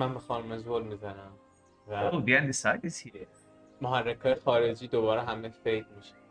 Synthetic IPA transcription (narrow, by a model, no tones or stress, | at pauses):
mænbexɒːnumezolmizænæm | æowd̪iænd̪isad̪esie | moɦærːekʰɒːjʰexɒːɾed͡ʒiːd̪obɒːɾeɦæmefejd̪miʃe̥